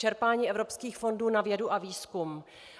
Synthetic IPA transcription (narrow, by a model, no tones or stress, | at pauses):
ɛɾpaːɲiːʔɛvɾo̞pskiːxfo̞nduːnavjɛduʔaviːskum